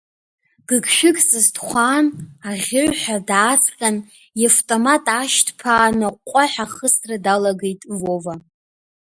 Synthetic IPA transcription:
ɡ̥ɨɡʃᶣɪkʼsɨzdχʷaːnaʁʲɪʕʷħʷadaːt͡sʰʼqʲʼan | jaftʼomatʼaʃtʰpʰaːnaqʷʼaħaχəsradalaɡe̞jtʼvo̞va

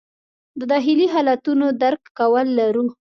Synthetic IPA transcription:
d̪əd̪ɑxɪliɦɑlat̪unod̪aɾkːawəlːaɾu

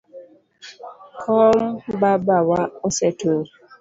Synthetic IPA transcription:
kʰɔmbabawaosɛtʰoɾ

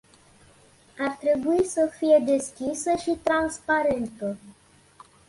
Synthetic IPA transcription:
art̪ɾe̞buisəfije̞d̪e̞skʲisəʃit̪ɾanspaɾe̞nt̪ə

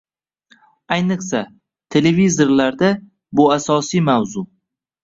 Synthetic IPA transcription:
ajnɨχsa | t̪ʰe̞levizoɾlaɾd̪a | bʊasɒsijmawzʊ

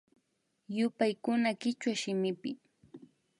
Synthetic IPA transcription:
jʊpajkʊnakɪt͡ʃwaʃɪmɪpɪ

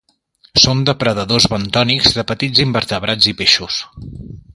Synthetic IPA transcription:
sond̪əpɾəðəðozβənt̪ɔnikzðəpət̪id͡zimbəɾt̪əβɾad͡zipeʃus

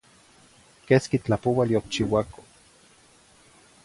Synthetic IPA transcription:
keskit͡ɬapowaljok̚t͡ʃiwako̥

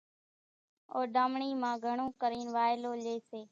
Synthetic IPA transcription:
oːɗaːmɳiːmãːɡʱəɳõːkəɾiːnʋaːɪloːleːseː

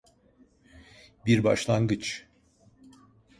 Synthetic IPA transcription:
biɾba̰ʃlˠaŋɡɯt͡ʃ

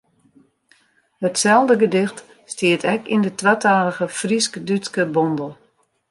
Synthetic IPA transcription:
hətsɛlˠdəɡədɪxt | stɪətʰɛkḭndətwataːləɣəfriskdytskəbɔndəl̩ˠ

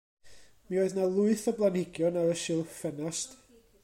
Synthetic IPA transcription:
mioːɨðnalˠʊɨθəblˠanhɪɡjɔnaɾəʃɪlˠfɛnast

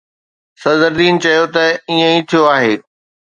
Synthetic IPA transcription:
sɐzəɾd̪iːnt͡ɕɐjot̪ɐiə̃ĩt̪ʰijoaːɦeː

